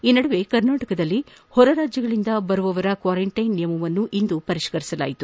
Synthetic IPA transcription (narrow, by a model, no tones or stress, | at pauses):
iːnɐɽɐʋe̞kɐɾnaːʈɐkɐd̪ɐlːi | hɔɾɐɾaːd͡ʒjɐɡɐɭind̪ɐbɐɾuʋɐʋɐɾɐkʋaːɾɐɳʈɐjnːijɐmɐʋɐnːuʔind̪upɐɾiʂkɐɾisɐla̰ːjit̪u